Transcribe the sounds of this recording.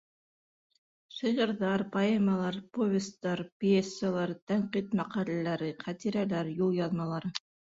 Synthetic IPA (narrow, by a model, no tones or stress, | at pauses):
ʃiʁɤ̆ɾðɑɾpaemɑlˠɑɾpovʲɪst̪ːɑɾpʲesːalˠɑɾt̪æɴqit̪mæqɑlælæɾɘqæt̪iɾælæɾjulˠjɑðmɑlˠɑɾɤ